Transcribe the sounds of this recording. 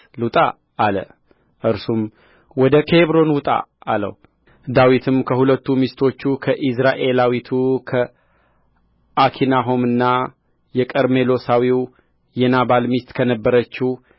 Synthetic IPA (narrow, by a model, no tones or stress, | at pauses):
lut̪ʼa̰ː | lə̰ | ʔɨɾsum | wɔd̪əkʰeβɾo̞nwʊt̪ʼa̰alə̰h | d̪awit̪ʰɨmkʰəhulət̪ːumist̪ʰo̞t͡ʃːukʰəʔisɾaʔe̞lawit̪ʰukʰə | ʔakʰinaɦo̞mɨnːa | jɛkʼəɾme̞lo̞sawiw | jɛnaβalmist̪ʼkʰənəbːəɾət͡ʃːɪh